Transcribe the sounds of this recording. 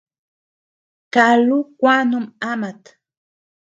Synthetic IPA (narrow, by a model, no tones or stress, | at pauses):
kalukʷanʊmamat̪